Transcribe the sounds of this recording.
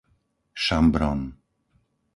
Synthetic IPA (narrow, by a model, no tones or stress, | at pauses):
ʃambɾɔn